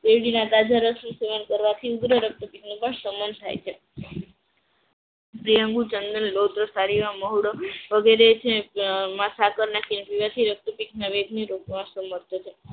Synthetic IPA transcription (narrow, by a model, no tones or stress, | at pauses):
t̪eʋɽinat̪ad͡ʒaɾəsnũseʋankəɾʋat̪ʰiuɡɾəɾək̚t̪upiknupəɳsəmənt̪ʰa̰jt͡ʃʰe | pɾijə̃ŋɡut͡ʃənd̪ənlot̪ɾəsaɾiʋaməɦuɽəʋəɡeɾet͡ʃʰemãsakəɾnakenpiʋat̪ʰiɾək̚t̪upiknaʋeɡniɾokmãsəməɾt̪ʰət͡ʃʰe